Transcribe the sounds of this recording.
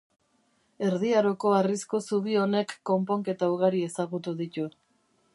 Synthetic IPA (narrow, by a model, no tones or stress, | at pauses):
e̞ɾðiaɾo̞ko̞arisko̞suβio̞ne̞kːo̞mpo̞ŋke̞t̪auɣaɾie̞saɣut̪uðit̪u